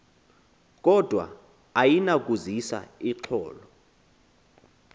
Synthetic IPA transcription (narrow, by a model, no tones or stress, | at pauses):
k̬ʼɔd̥ʱwa̰ | ajinak̬ʼuzisa̰iǁʰɔːlɔ